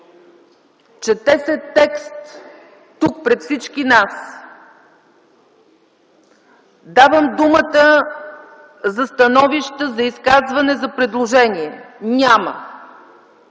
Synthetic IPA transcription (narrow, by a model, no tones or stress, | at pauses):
t͡ʃɛt̪ɛsɛt̪ːɛkst̪ː | uk̚pɾɛt̪fsit͡ʃkinas | d̪avəmd̪umət̪ə | zɐst̪ɐnɔviʃt̪əzɐiskazvɐnɛzɐpɾɛd̪lˠoʒɛniɛnʲamə̰